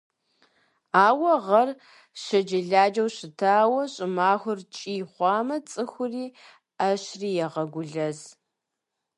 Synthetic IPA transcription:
aːwɐʁɐr | ɕɐd͡ʒɐɮaːd͡ʒɐwɕɪtʰaːwɐɕʼɪmaːxʷʊrt͡ʃʼiːχʷɑːmɐt͡sʼɨxʷʊriː | aɕriːjɛʁɐɡʷʊɮɐz

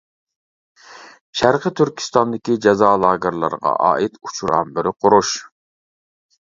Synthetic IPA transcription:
ʃæɾqʰət̪ʰyɾkʲʰi̥st̪ɑnd̪ɪkʲid͡ʒɛzɑːlˠɑːɡɪɾlˠɑ̰ɾʁɑ̰ʔɑ̰ːʔit̪ʰu̥t͡ʃʰuɾɑ̰mbɪɾɪqʰoɾuʃ

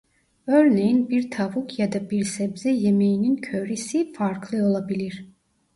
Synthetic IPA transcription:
øɾne̞jinbiɾt̪ʰavukʰjad̪abiɾsɛbzɛjeme̞jinincʰøɾisifaɾklˠɯo̞lˠabilʲiɾ̥

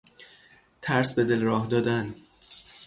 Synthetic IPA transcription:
t̪ʰæɾsbe̞d̪elɾɒːhd̪ɒːd̪æn

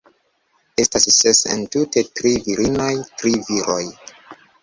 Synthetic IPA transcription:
e̞stassesḛntute̞tɾiviɾinojtɾiviɾo̞j

